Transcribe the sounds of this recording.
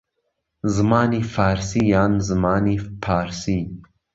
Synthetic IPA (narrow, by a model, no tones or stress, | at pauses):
zmaːnifaːɾsijaːnzmaːnifʰaːɾsi